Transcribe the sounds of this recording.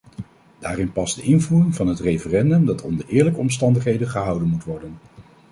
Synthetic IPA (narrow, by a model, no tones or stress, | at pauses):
d̥aːrɪnpɑsd̥əʔɪnvuːrɪŋvɑnɦətrejfərɛndɵmdɑtʰɔ̰ndəɹʔɪːɹləkəɔmstɑndəχɦejdənχəɦʌwdənmutʋɔɹdən